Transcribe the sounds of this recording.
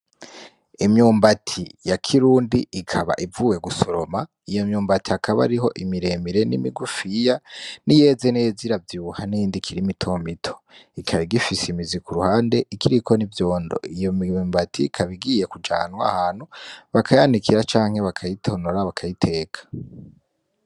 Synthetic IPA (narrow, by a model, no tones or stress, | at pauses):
imɲuːmbatʰijakʰiɾuːndiːkʰaβa̰ʔivuːje̞ɡusoɾo̞ma | ijo̞mɲuːmbatiakʰaβa̰ɾiɦo̞ʔimiɾe̞ːmiɾe̞nḭmḭɡufijanije̞ːzeneziɾavjuːhanijiːndikʰiɾimitʰomitʰo̞̥ikʰaβiɡifisimizikʰuɾuhaːnde̞ʔikʰiɾikʰo̞nivjo̞ːndo̞̰ijomiuːmbatʰikʰaβiɡije̞kud͡ʒa̰ːnwa̰haːn̥huβakʰajandikʰiɾat͡ʃaːŋ̥he̞βakʰajitʰo̞noɾaβakʰajitʰe̞ːkʰḁ